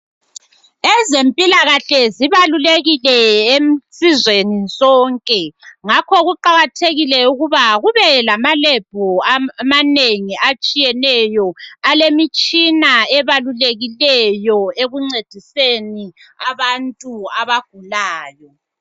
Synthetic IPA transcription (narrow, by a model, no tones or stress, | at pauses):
ɛzempʼilaɣaɬɛziβaluleɣilɛemsizwenisʼɔːŋkʼɛŋakʰɔɣuǃaɣatʰeɣilɛuɣuβaɣuβɛlamalɛb̥ʱɔamaneŋiat͡ʃʼijɛnɛjɔalemit͡ʃʼinaɛβaluleɣilɛjɔeɣuŋ͡ǀed̥ʱiseni | aβantʼuaβaɡ̥̚ʱulaːjɔ